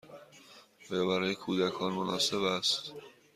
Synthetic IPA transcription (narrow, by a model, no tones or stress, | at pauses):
ɒːjɒːbæɾɒːje̞kʰuːd̪ækʰɒːnmonɒːse̞bæst̪